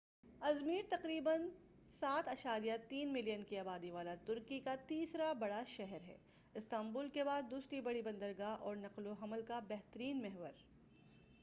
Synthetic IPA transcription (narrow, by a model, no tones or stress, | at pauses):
ɐzmiːɾt̪ɐqɾiːbən | saːt̪ɐʃaːɾijat̪iːnmɪlijənkiaːbaːd̪iʋaːlat̪ʊɾkikat̪iːsɾabɐɽaʃɛɦɛɾɦɛ̰ː | ɪst̪ãːmbuːlkebaːd̪ːuːsɾibɐɽibɐ̃nd̪əɾɡaɦʔɔːɾnɐqloɦɐməlkabɛɦt̪əɾiːnmɛɦʋəɾ